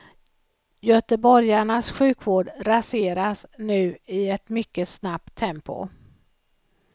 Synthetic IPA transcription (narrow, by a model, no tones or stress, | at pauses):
jœt̪əbɔɾjaɳasɧʉ̟ːkvoːɖɾaseːɾasnʉ̟ːɪɛt̪mʏkːəsnap̚t̪ʰːɛmpʊ̰